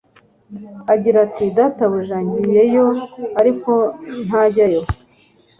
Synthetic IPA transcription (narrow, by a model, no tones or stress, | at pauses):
aɟiɾatidataβuʒaːɲɟije̞jo̞aɾiko̞n̥haɟajo